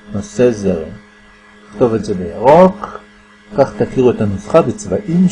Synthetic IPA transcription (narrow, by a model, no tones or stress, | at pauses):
nosezeʁe | aχt̪o̞vetzebejaʁok | kːaχt̪akiʁuetanusχabet͡svaʔim